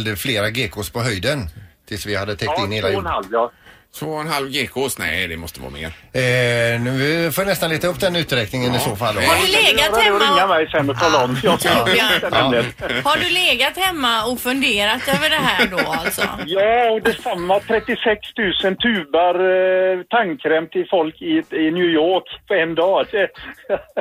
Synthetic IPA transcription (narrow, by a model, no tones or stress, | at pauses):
ld̪əfleːɾaɡeːkʰoːspʰɔɦœjd̪ənt̪ʰɪlsvɪhad̪ːət̪ʰɛk̚t̪ɪnːheːlajnhalvjɑt̪ʰvoːɛnhalvɡeːkʰosnɛ̰ɪd̪ɛmɔst̪əvɑ̰ːmḛːɾ | nʉːɪfoːnɛst̪anleːt̪aɵpːd̪ɛnʉ̟ːt̪ɾɛknɪŋənɪsoːfalːhaɖʉleːɡat̪hɛmːɪŋːamɛjsɛnːɔt̪ʰɑːlaɔmjɔst̪ɛɛəhaɖɵleːɡat̪hɛmːaɔkfɵnd̪eːɾat̪øːvəɖɛɦæːɖoːalsɔ̰jɑːɔd̪ɛsamːat̪ʰɾɛt̪ːɪsɛkst̪ʰʉ̟ːsənt̪ʰʉːbaɾt̪ʰaŋkʰːɾɛmt̪ʰɪfɔlkɪɪnjʉːjoːkpʰɔɛnd̪ɑːɛ